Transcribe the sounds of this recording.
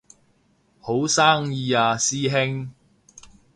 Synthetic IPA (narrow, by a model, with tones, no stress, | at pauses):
ho˨˥wsaː˥ŋjiː˨˧aː˧siː˥ɦɪ˥ŋ